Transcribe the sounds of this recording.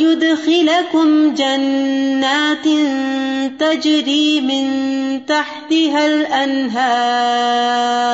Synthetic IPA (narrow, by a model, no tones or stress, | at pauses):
jʊd̪xɪlakʊmd͡ʒanːaːt̪nt̪ad͡ʒɾiːmɪnt̪aħt̪ɪɦalʔanɦaː | ɾ